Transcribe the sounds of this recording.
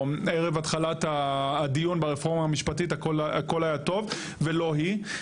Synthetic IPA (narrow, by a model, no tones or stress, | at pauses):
meʁe̞vatχalat̪ad̪ijunbeʁefo̞ʁmaːmiʃpatit̪akola̰ko̞lajat̪o̞v | velo̞ɦi